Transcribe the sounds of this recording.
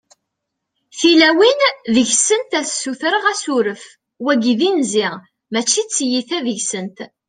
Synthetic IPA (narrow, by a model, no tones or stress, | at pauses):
θilæwinðəʝsənt̪æθsːuθɾəʁæsuɾəf | wæɡiðinziʁ | mæt͡ʃːit͡sːjiθæðəʝsənt̪